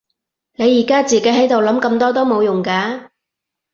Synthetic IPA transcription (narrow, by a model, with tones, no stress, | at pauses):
ne˨˧jːiː˨˩kaː˥t͡siː˨˩ke˨˥jɦɐ˨˥jt̪o˨wlɐ˨˥mkɐ˧mt̪ɔː˥t̪o˥wmo˨˧wjʊ˨˩ŋkaː˧